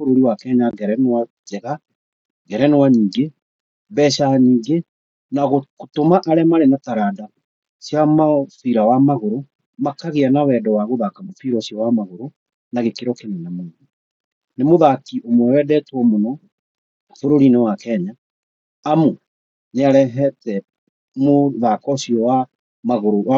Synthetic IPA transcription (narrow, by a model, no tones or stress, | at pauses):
foɾoɾiwakɛɲaɡɛɾɛnwa | d͡ʒɛɣa | ɡɛɾɛnewaniːɡe | bɛːʃaniːɡe | naɣokotomaʔaɾɛmaɾenataɾada | sjamafiɾawamaɣoɾo | makaɣeanawɛːdɔwaɣoðakamofiɾɔsiɔwamaɣoɾo | naɣekeɾɔkenɛnamoːðu | nemoðakiʔomwɛwɛdɛtwɔmonɔ | foɾoɾinɛwakɛɲaː | mu | neaɾɛɦɛtɛ | moðakɔɕiɔwa | maɣoɾowa